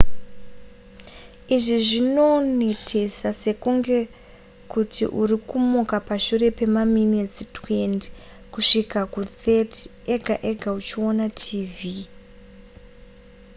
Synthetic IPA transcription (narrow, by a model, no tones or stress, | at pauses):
iʐiʐino̞ne̞tʰe̞sase̞kuŋɡe̞ | kutʰḭʔurikumukapaʃure̞pe̞maminet͡sitwe̞nti̥ | kuʂikakuteteɡʱaʔeɡʱaut͡ʃio̞natʰiːvi